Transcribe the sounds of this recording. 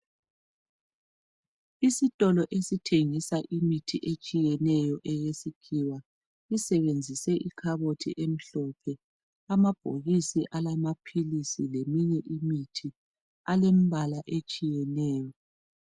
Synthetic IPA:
isitʼɔlɔʔesitʰeŋisaʔimitʰiʔet͡ʃʼijɛnɛjɔʔɛjesikʰiwa | isɛβend͡zʱisɛʔikʰaβotʰḭʔem̩ɬɔpʰɛ | amab̥ʱo̰ɣisiʔalamapʰilisilemiɲɛʔimitʰi | alem̩βalaʔet͡ʃʼijɛnɛːjɔ

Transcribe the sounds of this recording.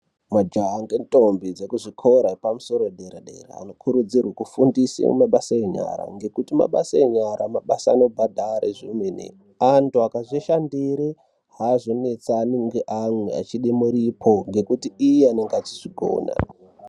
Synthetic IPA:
mad͡ʒaɦaŋɡentʼombid͡zekuʐikʰoɾaepamuso̞ɾodʱeɾeɗḛrḛa̰no̞kʰuɾud͡zirwakufundisḭmaɓasaeɲa̰ɾa̰ŋɡe̞kutima̰ɓa̰saeɲaɾamaɓasaːno̞bʱadʱaɾeʐimenḛ | antuakaʐiʃandiɾe | ɦaːzo̞ne̞t͡saniŋɡeʔamwea̰t͡ʃiɗimuɾipʰo̞ŋɡe̞kutiijeaneŋɡad͡ziʐiɡʱo̰na̰

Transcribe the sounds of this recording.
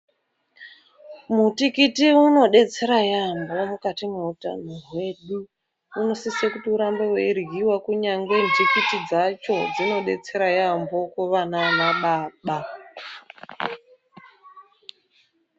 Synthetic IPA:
mutikitiuno̞ɗe̞t͡se̞ɾajambo̞mukatimeuta̰no̞rwe̞ɗu | uno̞sisekutiuɾambeweirɣiwakuɲaŋɡwenʐikitid͡zat͡ʃo̞d͡zino̞ɗe̞̰t͡se̞ɾajambo̞koʋanamaɓaːɓa

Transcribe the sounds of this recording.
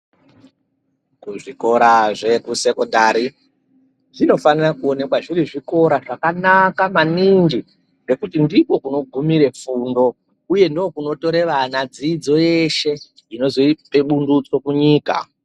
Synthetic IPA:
kuʐiko̞ɾaʐe̞kuse̞ko̞ndaːɾi | ʐino̞fanirakuo̞ne̞kwaʐiɾiʐiko̞ɾaʐakanakamanind͡ʒi | ŋɡe̞kutindiko̞kuno̞ɡʱumiɾe̞fundo̞ | uje̞ndookuno̞to̞ɾe̞ʋanad͡zid͡zo̞je̞ʃe̞ | ino̞zoipeɓundut͡so̞kuɲiːka̰

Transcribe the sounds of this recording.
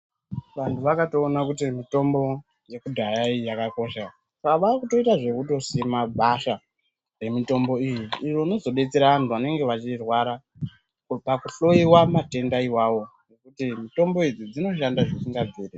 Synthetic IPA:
ʋantʰuʋakato̞ːnakutimito̞mbo̞ | je̞kudʱajaijakako̞ʃa | sakaʋakuto̞itaʐe̞kuto̞simabʱaʃa | re̞mito̞mbo̞ijiːro̞ino̞zo̞ɓe̞t͡se̞ɾaʋantuʋane̞ŋɡe̞ʋat͡ʃirwaɾa | pakuɬo̞iwamate̞ndaiwawo̞ | ne̞kutimito̞mbo̞id͡zid͡zino̞ʃ̬andaʐesiŋɡab͡viːre

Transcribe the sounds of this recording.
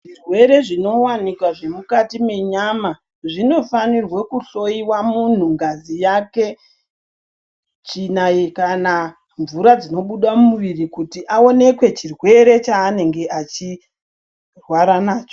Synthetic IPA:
ʐirwe̞ɾe̞ʐino̞wanikwaʐe̞mukatime̞ɲama | ʐino̞fanirwekuɬo̞iwamun̤uŋɡazijake̞ | t͡ʃinajekana | ɱvuɾad͡zino̞ɓuɗamuʋirikutiʔao̞ne̞kwe̞t͡ʃirwe̞ɾe̞t͡ʃaːne̞ŋɡe̞ʔat͡ʃi | rwaɾanaːt͡ʃo

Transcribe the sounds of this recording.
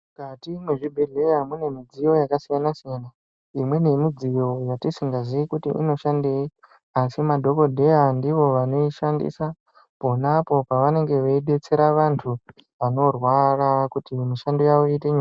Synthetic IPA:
ukatimweʐibʱirejamune̞mid͡zijo̞jakasijanasijana | imwe̞ne̞mid͡zijo̞jatisiŋɡaziikutḭʔḭno̞ʃandei | asimadʱo̞ko̞dʱe̞jandiʋo̞ʋano̞iʃandḭsa | po̞napo̞paʋane̞ŋɡe̞ʋeiɗe̞t͡se̞ɾaʋantʰu | ʋano̞rwarakutimiʃandojawoiteɲua

